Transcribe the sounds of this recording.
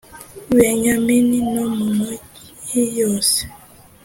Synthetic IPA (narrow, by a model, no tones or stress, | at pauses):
wɛɲamininɔməməijɔs